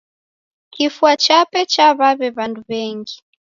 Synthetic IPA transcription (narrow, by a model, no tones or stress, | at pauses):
kifuat͡ʃapɛt͡ʃaβaβɛβanduβɛŋɡi